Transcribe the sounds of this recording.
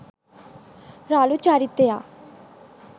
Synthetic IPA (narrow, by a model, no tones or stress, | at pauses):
ɾaːlut͡ʃaːɾit̪ːeaː